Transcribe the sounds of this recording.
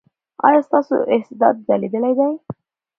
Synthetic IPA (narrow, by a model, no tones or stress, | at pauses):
ɑ̰jɑst̪ɑso̰ʔɪhsɪd̪ɑ̰t̪̚zaled̪əlajd̪aj